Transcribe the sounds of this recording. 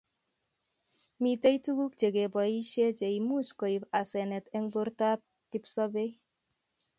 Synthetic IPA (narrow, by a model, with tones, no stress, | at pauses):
mi˨te˦i˦tu˦ɡu˦k̚t͡ʃe˨ɡe˨bɔ˨i˦ʃe˦d͡ʒe˨i˨mu˦t͡ʃkɔ˨i˨ba˨sɛ˨nɛ˨tɛ˦ŋbo˦ɾta˦p̚ | ki˦psɔ˦be˦